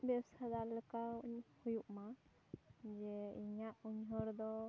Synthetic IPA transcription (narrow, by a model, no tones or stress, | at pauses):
bɛwsad̪aləkauɲhujuʔma | d͡ʒɛiɲaʔuɲɦəɾd̪ɔ